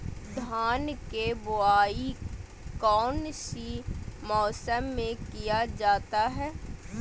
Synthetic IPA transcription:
d̪ʱaːnkebʊaːi | kɔːnʃimɔːsəmːẽkijad͡ʒaːt̪aɦɛː

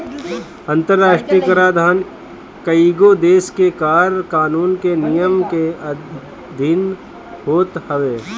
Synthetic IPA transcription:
ɐ̃nt̪əɾːaːʃʈɾijəkəɾaːd̪ʱaːn | kəiɡod̪eːskekaːɾkaːnuːnkenijəmke | d̪ʱɪn | hoːt̪hɐʋeː

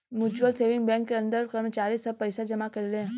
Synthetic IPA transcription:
mʊd͡ʒbəlseːʋɪ̃ŋɡbɛ̃ŋkːeə̃nd̪əɾkəɾmət͡ʃaːɾisəb̚pəjsad͡ʒəmakɐɾilẽ

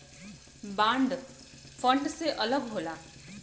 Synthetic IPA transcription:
bãːɳɖ | fə̃ɳɖseʔɐləɡɦoːlaː

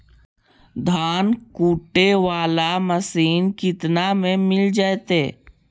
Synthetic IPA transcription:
d̪ʱaːnkuːʈːeʋaːlaməsiːnkɪt̪namẽmɪld͡ʒaːt̪eː

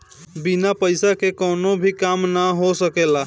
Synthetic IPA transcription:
binapəjsakekɔnobʱikamnaɦosəkela

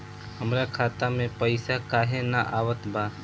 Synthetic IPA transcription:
həmɾakʰaːt̪amẽpəɪsakaːɦenaʔaːwət̪baː

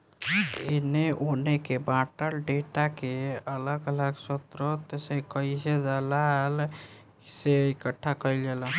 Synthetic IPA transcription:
eneʔonekebãʈəlɖeʈakeələɡələɡsot̪ɾot̪sekəised͡ʒalal | ki̥seikəʈʰːakəɪld͡ʒelə̃

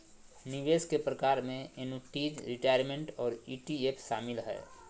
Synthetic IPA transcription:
niʋeːskepɾəkaːɾmẽenuʈiːd͡ʒɾiʈaːjəɾmẽɳʈɔːɾiːʈiepʰʃaːmɪlɦɛ̰ː

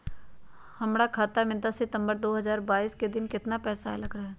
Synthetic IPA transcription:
hɐmɽakʰaːt̪amɪnd̪asɪt̪ə̃mbəɾd̪oːɦɐzaːɾbaːiːsked̪ɪnkɪt̪napɛːsa̰lɐɡɾaɦɛː

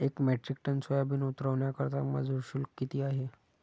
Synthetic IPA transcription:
ekmɛʈɾik̚ʈənsəjabiːnut̪ɾəʋɳjakəɾt̪amə̰d͡zʱuɕulkːit̪iːaɦe

